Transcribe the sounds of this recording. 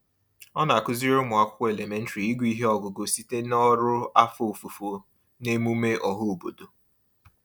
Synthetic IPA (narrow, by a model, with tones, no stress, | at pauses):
ɔ˦n˨a˨kʊ˦zi˦ɾʊ˦mʊ˨a˦˨kʷʊ˦kʷɔ˦e˨le˨me˨˦n̩˦ti˨i˦ɡu˦i˦ɦe˦ɔ˦ɡʊ˨ɡo˨si˦te˦nɔ˦ɾʊ˦a˦fo˨o˨fu˨fo˨˦ | ne˦mu˦me˦ʔɔ˨ɦʊ˦o˨bo˨do˨